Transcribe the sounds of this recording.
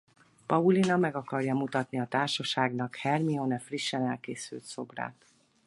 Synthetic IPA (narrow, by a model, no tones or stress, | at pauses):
pɒulinɒmɛɡɒkɒrjɒmut̪ɒt̪niɒt̪aːrʃɒʃaːɡnɒkhɛrmionɛfriʃːɛnɛlkeːsy̰lt̪so̞̰bra̰ːt̪